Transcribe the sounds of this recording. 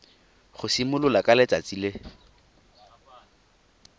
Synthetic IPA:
χʊsimʊlʊlakʼalet͡sʼat͡silɪ

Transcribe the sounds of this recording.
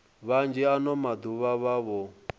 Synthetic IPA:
βand͡ʒɛanɔmad̪uβaβaβɔ

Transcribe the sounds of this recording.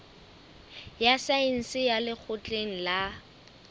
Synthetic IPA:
jasain̩sɪjalɪk͡xʰʊt͡ɬʼeŋ̩la

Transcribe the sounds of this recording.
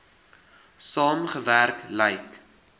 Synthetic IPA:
sɑːmχəværklɛjk

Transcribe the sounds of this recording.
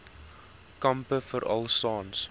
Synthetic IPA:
kɐmpəfəɾʔɐ̰lˠsɑːns

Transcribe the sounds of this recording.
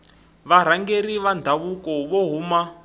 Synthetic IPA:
βaɾ̤aŋɡeɾiβandʱaβukɔβɔɦuma

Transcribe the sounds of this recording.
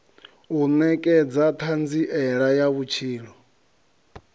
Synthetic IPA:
unɛkʼɛd͡zat̪ʰand͡ziʔɛɺajaβut͡ʃʰiːlɔ

